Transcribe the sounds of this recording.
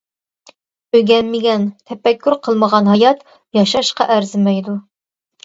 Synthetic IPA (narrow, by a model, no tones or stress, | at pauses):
øɡʲɛnːɪɡʲɛnt̪ʰɛpɛkʲːyɾqʰəlˠməʁɑnɦɑjɑt̪ | jɑʃɑʃqɑʔæɾzɪmɛjd̪u